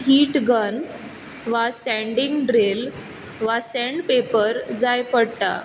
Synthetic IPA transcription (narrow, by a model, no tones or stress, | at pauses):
ɦiːʈɡən | ʋasɛ̃ɳɖiŋɡɖɾel | ʋasɛ̃ɳɖpepəɾd͡zajpəɽt̪a̰